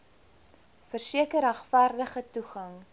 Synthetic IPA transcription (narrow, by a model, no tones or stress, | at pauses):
fərsiəkəɾæχfærdəχətuχɐŋ